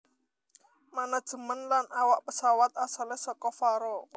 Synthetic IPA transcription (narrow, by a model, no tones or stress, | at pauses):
manad̥ʒ̥ə̤mənlanʔawaʔpəsawat̪̚asalehsɔkɔfaɾɔ